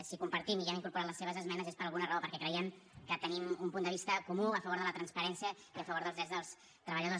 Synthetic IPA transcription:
sikumpəɾt̪imiɛmiŋkuɾpuɾat̪lˠəsːeβəzəzmɛnəzespəɾəlɣunərəopəɾkɛkɾəiɛmkət̪ənimumpund̪əβist̪əkumuəfəβoɾðələt̪ɾənspəɾɛnsiəiəfəβoɾðəlzðɾɛd͡zðəlˠs | t̪ɾəβəʎəðo

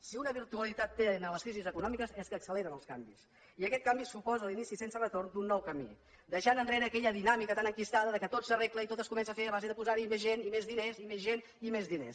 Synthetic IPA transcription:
siunəβiɾt̪uəlˠit̪at̪ːenələskɾizizəkunɔmikəzɛskəːksəleɾənəlˠska̰mbḭs | iəkɛt̪̚kambisupɔzəlinisisensərət̪oɾnd̪unːɔwkəmḭ | d̪əʃanənreɾəːkɛʎəðinamikət̪anəŋkist̪aðəðəkət̪otsərekləit̪ot̪əskumɛns̬əfeβazeðəpuzaɾimezʒenimezðinezimezʒen | imezðinḛs

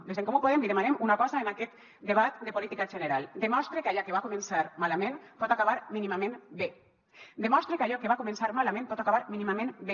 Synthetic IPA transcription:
d̪ezðeŋkomupoð̞embiɾemaɾemunakɔzaenaket̪ | d̪eβ̞at̪d̪e̞polit̪ikaʒeneɾald̪emost̪ɾekaʎakeβakomensaɾmalamẽnt̪ot̪akaβaɾminimamenbe | d̪emost̪ɾekaʎokeβakomensaɾmalamẽnt̪ot̪akaβaɾminimamẽnbe

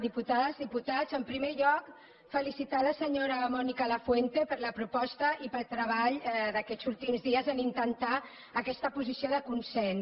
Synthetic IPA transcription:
ðiput̪aðəzðiput̪azəmpɾimeʎɔk | fəlisit̪aləsəɲoɾəmɔnikələfwent̪epəɾləpɾupɔst̪əʔipəlˠt̪ɾəβ̞aʎd̪əkɛzulˠt̪imzðiəzənint̪ənt̪a | əkɛst̪əpuzisioðəkunsɛn

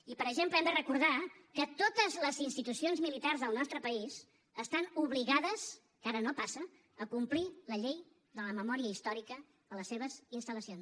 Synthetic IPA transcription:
ipəɾəʒempləɛmd̪ərəkuɾð̞akət̪ot̪əzləzinst̪it̪usionzmilit̪arzðəlˠnɔst̪ɾəpəiz | əst̪anuβliɣaðəz̥ | kaɾənopasə | əkumpliləʎej | ðələməmɔɾiəist̪ɔɾikə | ələsːeβ̞əzinst̪əlˠəsions

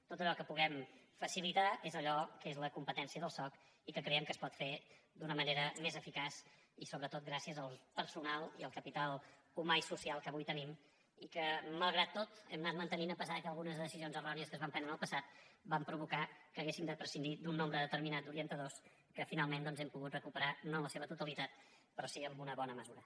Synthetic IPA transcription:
t̪ot̪əʎɔkəpuɣɛm | fəsilit̪aezəʎɔkezləkumpət̪ɛnsiəðəlˠsɔk | ikəkɾɛəmkəspɔt̪fed̪unəməneɾəmezəfikas | isoβɾət̪ot̪̚ɡɾasiəzəlˠpəɾsunalˠiəlˠkəpit̪alˠ | umaisusialˠkəβujt̪ənim | ikəməlˠɣɾat̪ːot̪ɛ̰mnat̪mənt̪əninəpəsaðəkəlˠɣunəzðəðəsizionzərɔniəs̬kəzβaɱpɛnd̪ɾənəlˠpəsat̪̚bampɾuβukakəːɣesimd̪əpɾəsinid̪unːombɾəðət̪əɾminad͡zuɾiənt̪əðos | kəfinalˠmend̪ɔnzɛmpuɣut̪rəkupəɾanonləseβət̪ut̪əlit̪at̪̚ | pɾɔsiəmbunəβɔnəməzuɾə

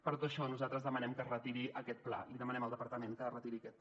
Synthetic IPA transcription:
pəɾt̪ot̪əʃɔnuzat̪ɾəzðəmənɛmkərət̪iɾiʔəkɛt̪̚pla̰liðəmənɛməlˠd̪əpəɾt̪əmenkərət̪iɾiəkɛt̪

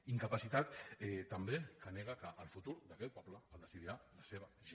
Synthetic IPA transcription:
iŋkəpəsit̪at̪ɛt̪əmbekəneɣ̞əkəʔːlˠfut̪uɾd̪əkɛt̪̚pɔpləːlˠd̪əsiðiɾaləseβəʒe

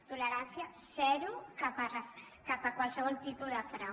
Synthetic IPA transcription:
t̪ulɐɾansjasɛɾukapars | kapakwalsəβɔlt̪ipuðafɾa

